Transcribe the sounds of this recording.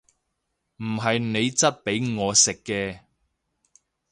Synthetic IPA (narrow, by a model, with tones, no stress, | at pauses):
m̩˨˩ɦɐ˨jne˨˧jt͡sɐ˥t̚pe˨˥jŋɔː˨˧sɪ˨kːɛː˧